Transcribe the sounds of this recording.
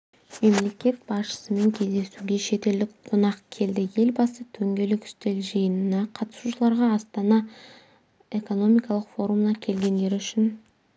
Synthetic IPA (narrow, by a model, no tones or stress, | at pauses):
me̞mle̞kʲe̞t̪̚bɑsʃə̥səme̞ŋkʲʰe̞zd̪e̞suɡʲe̞ʃe̞t̪e̞ld̪ɪkqʰonɑqkʲʰe̞ld̪ɪje̞lbɑsət̪ʰɵŋɡʲe̞lɪkʏ̥st̪e̞lʒijənnɑqʰɑt̪ə̥suʃəlˠɑɾʁɑːst̪ɑnɑ | e̞ko̞no̞mijkɑlˠəqfo̞ɾumnɑkʲʰe̞lɡʲe̞nd̪e̞ɾʏʃɪn